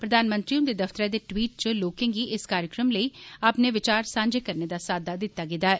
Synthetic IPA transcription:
pɾəd̪aːnmə̃nt̪ɾiʊ̃nd̪eːd̪əft̪əɾɛːd̪eːʈwiːʈ̚t͡ʃəloːkẽːɡiːʔɪskaːɾjɪkɾəmləiːapneːʋɪt͡ʃaːɾsãːɲd͡ʒeːkəɾneːd̪aːsaːd̪aːd̪ɪt̪ːaːɡɪd̪aːɛː

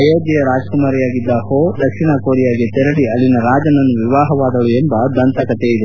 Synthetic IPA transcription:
ɐjeːd͡ʒijɐɾaːd͡ʒkumaːɾijaːɡid̪ːɐhoːd̪ɐkʂiɳakoːɾijaːɡet̪ɛɾɐɽiɐlːinɐɾaːd͡ʒɐnɐnːuʋiʋaːɦɐʋaːd̪ɐɭuembɐd̪ɐnt̪ʰɐkɐt̪eid̪e

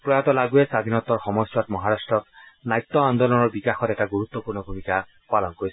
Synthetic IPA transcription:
pɹɔjat̪ɔlaɡuesad̪ʱinɔt̪ɔɹxɔmɔsjɔt̪mɔɦaɾasʈɹɔknajt̪ːɔand̪ɔlɔnɔɹbikaxɔt̪ɛʈaɡuɾut̪ːɔpuɾnɔbʱumika | palɔnkoɾis

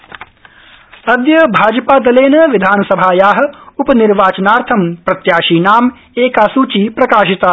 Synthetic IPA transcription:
ɐd̪jɐbʱaːd͡ʒəpaːd̪ɐleːnɐʋɪd̪ʱaːnɐsɐbʱaːjaːɦɐ̆upɐniɾʋaːt͡ʃɐnaːɾt̪ʰɐmpɾɐt̪jaːʃiːnaːm | eːkaːsuːt͡ʃiːpɾɐkaːʃit̪aː

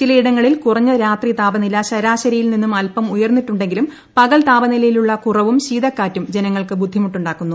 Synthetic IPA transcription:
t͡ɕilɐiɽɐŋːɐɭilkurɐɲːɐɾaːt̪rit̪aːbɐnilɐɕɐɾaːɕɐɾɐjilninːumɐlpɐmujɐrnːitːuɳɖe̞ŋɡilum | pɐɣɐlt̪aːbɐnilɐjiluɭːɐkurɐʋumɕiːd̪ʱɐkːaːtːumd͡ʑe̞nɐŋːɐɭkɨbud̪ʱːimuʈːuɳɖaːkːunːu

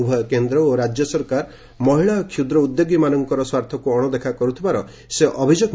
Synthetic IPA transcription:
ubʱɔkend̪ɾɔoɾad͡ʒjɔsɔɾkaɾ | mɔɦiɭakʰud̪ɾɔud̪joɡimanɔŋkɔɾɔswaɾt̪ʰɔkuɔɽ̃ɔd̪ekʰakɔɾut̪ʰibaɾɔ | seʔɔbʱid͡ʒoɡ

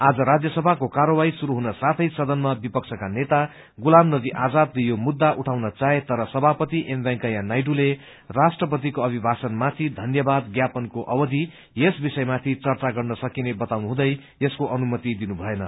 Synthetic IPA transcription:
ad͡zʌɾad͡zjʌsʌbʱakokarʌwaisuɾuɦunʌsat̪ʰʌjsʌd̪ʌnmabipʌkt͡sʰʌkanet̪a | ɡulamnʌd̪iʔad͡zad̪lejomud̪ːaʔuʈʰawnʌt͡saet̪ʌɾʌsʌbʱapʌt̪iʔembaŋkajãnajʈule | rasʈrʌp̬ʌt̪̬ikoʌbʱibʱasʌnmat̪ʰid̪ʱʌnjʌbad̪ɡjapʌnkoʔʌwʌd̪ʱi | jesbisʌjmat̪ʰit͡sʌrt͡saɡʌrnʌsʌkinebʌt̪awnuɦũd̪ʌj | eskoʔʌnumʌt̪id̪inubʱʌenʌ

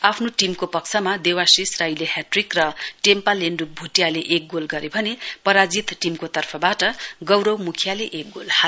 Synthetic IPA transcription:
apʰnoʈimkopʌkt͡sʰʌmad̪ewasisrajleɦaʈrikrʌʈempaleɳɖuk̚bʱuʈjaleʔek̚ɡolɡʌɾebʱʌnepʌɾad͡zit̪ʈimkot̪ʌrpʰʌbaʈʌɡʌwɾʌwmukʰjaleʔek̚ɡolha

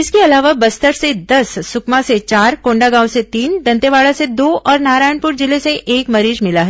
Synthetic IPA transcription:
ɪskeɐlaːʋabɐst̪əɾsed̪ɐsːʊkmãset͡ʃaːɾkõːɳɖaɡãːw̃set̪iːnd̪ɐ̃nt̪eʋaːɭased̪oːʔɔːɾnaːɾaːjəɳpʊɾd͡ʒɪleseʔeːkmɐɾiːd͡ʒmɪlaɦɛ

